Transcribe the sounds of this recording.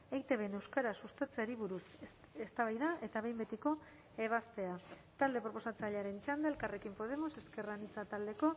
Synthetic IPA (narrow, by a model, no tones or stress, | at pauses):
ejt̪e̞βe̞ne̞wskaɾasust̪at͡seaɾiβuɾus | est̪aβajðaʔe̞t̪aβe̞jmbe̞t̪iko̞ | e̞β̞ast̪e̞a | t̪ald̪e̞pɾopo̞sat͡saʎeaɾe̞nt͡ʃand̪elkare̞kimpo̞ð̞e̞mo̞se̞ske̞ranit͡sat̪ald̪e̞ko̞